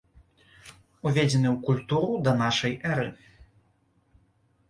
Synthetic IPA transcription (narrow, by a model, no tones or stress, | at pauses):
uvʲed͡zʲɛnɨwkulʲt̪uɾud̪ɐn̪aʂɐjʔɛɾɨ